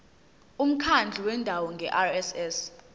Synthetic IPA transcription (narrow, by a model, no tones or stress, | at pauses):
um̩kʰand͡ɮʱiwɛndʱawɔŋɡʱɛʔarɛsɛs